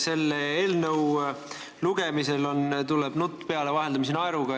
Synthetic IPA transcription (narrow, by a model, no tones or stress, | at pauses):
se̞lːeeːlnəw | luɡ̥e̞mise̞lo̞nt̪uleb̥nut̪ːˑpe̞ɑle̞vɑɦe̞ld̪ɑmis̬enɑeɾuɡ̥ɑ